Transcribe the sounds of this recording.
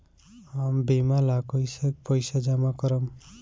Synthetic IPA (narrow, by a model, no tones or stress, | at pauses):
ambemalakʌjsek̚pʌjsad͡ʒamakʌɾʌm